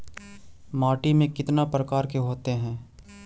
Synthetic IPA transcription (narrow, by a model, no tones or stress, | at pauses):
maːʈimẽkɪt̪napɾəkaːɾkeɦoːt̪eɦɛ̃ː